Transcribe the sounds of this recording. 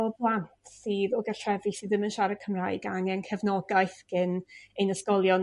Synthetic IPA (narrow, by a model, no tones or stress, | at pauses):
ɔblˠantʰsɨːðɔɡɛrtʰrɛvisiːðəmənʃaɾəkʰəmraːɨɡaŋɛnkʰɛvnɔɡajθɡ̥ɪnejnəskɔlˠjɔ